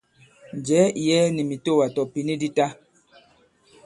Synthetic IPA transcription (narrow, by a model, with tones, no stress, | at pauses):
n˨d͡ʒɛ˨˦i˨jɛ˦ni˨mi˨to˦˨wa˨tɔ˨pi˨ni˦di˦ta˦